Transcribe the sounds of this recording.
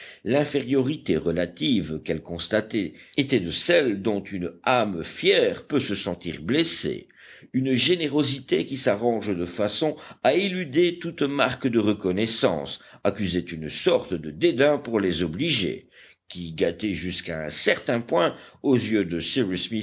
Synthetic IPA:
lɛ̃feʁjɔʁit̪eʁəlat̪ivkɛlkɔ̃st̪at̪ɛet̪ɛd̪əsɛld̪ɔ̃t̪ʰynamfjɛʁpøsəsɑ̃t̪ḭʁblesḛ | ynʒeneʁozit̪ekʲisaʁɑ̃ʒd̪əfasɔ̃ailyd̪et̪ut̪maʁkd̪əʁəkɔnɛsɑ̰̃sakʲyzet̪ynsɔʁt̪əd̪əd̪ed̪ɛ̃puʁlɛzɔbliʒḛ | kʲiɡat̪ɛʒyskaɛ̰̃sɛʁt̪ɛ̃pwɛ̃ozjød̪əsiʁismi

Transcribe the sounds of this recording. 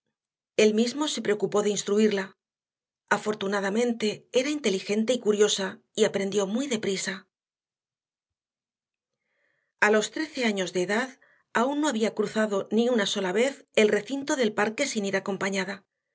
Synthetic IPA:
e̞lmizmo̞se̞pɾe̞o̞kupo̞ðeinst̪ɾuiɾla | afo̞ɾt̪unaðamẽ̞nt̪e̞eɾaint̪e̞lixe̞nt̪e̞ikuɾjo̞sa | iapɾe̞nd̪jo̞mujðe̞pɾisa | alo̞st̪ɾe̞θe̞aɲo̞zðe̞ːðað | aunːo̞aβiakɾuθaðo̞niunaso̞laβe̞θe̞lre̞θint̪o̞ðe̞lpaɾke̞siniɾako̞mpaɲaða

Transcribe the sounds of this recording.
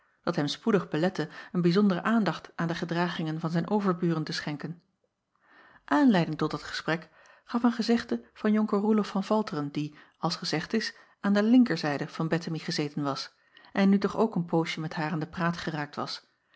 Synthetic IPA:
d̥ɑtɦɛmspudəχbəlɛtəənbizɔndərə̰ʔaːndɑχtʔaːndəχədraːχɪŋənvɑnzɛjnʔowvəɹbyːrəntəsχɛŋkən | ʔaːnlɛjdɪŋtɔdɑtχə̥sprɛk | χɑfənχəzɪχtəv̥ɑnjɔŋkərulɔfɑnv̥ɑlˠtərəndi | ɑlˠsχəzɛχtɪs | ʔaːndəlɪŋkəɹzɛjdəv̥ɑnbɛtəmiχəzeːjtənʋɑs | ʔɛnːytɔχowkənpowʃəmɛtɦaːraːndəpraːtχəraːk̚tʋɑ̰s

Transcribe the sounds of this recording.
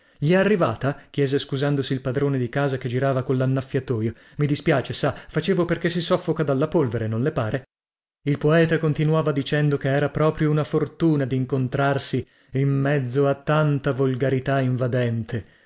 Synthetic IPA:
ʎiɛarːivaːt̪ak̟jɛːzeskuzand̪osiːlpad̪ɾoːned̪ikaːzaked͡ʒiɾaːvakollanːafːjat̪oːjo | mid̪ispjaːt͡ʃesafat͡ʃeːvoperkesːisɔfːokad̪alːapolveɾenõnlepaːɾe | ilpoɛːt̪akont̪inuaːvad̪it͡ʃɛnd̪okeɛːɾapɾɔːpɾjounafort̪uːnad̪iŋkont̪ɾarsi | imːɛd̪zːoat̪ːant̪avolɡaɾit̪aiɱvad̪ɛnt̪ʰe

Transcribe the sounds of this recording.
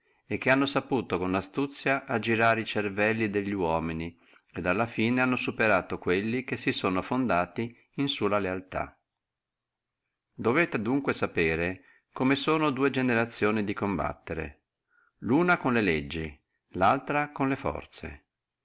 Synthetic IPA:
ekːeanːosapuːt̪okonlast̪ut̪sːjaʔad͡ʒiɾaːɾit͡ʃervɛlːid̪eʎːiwɔːmini | ed̪alːafiːneanːosupeɾaːt̪okwelːikesːisoːnofond̪aːt̪i | insulalealt̪a̰ | d̪oveːt̪ed̪uŋkwesapeːɾe | komesoːnod̪uːed͡ʒeneɾat̪sːjoːnid̪ikomba̰t̪ːeɾḛ | luːnakonleled͡ʒːi | lalt̪ɾakonlefɔ̰rt̪sḛ

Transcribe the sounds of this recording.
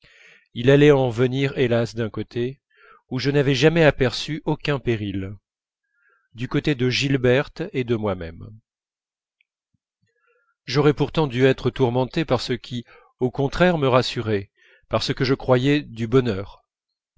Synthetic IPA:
ilalɛɑ̃vəniʁelasd̪ɛ̃kot̪ʰe | uʒənavɛʒamɛapɛʁsyʔokʲɛ̃peʁil | d̪ykot̪ed̪əʒilbɛʁt̪ed̪əmwamɛ̰m | ʒɔʁɛpuʁt̪ɑ̃d̪yɛt̪χət̪uʁmɑ̃t̪epaʁsəkʲʰi | okɔ̃t̪χɛʁməʁasyʁɛ | paʁsəkəʒəkχwajɛd̪ybɔnœːʁ

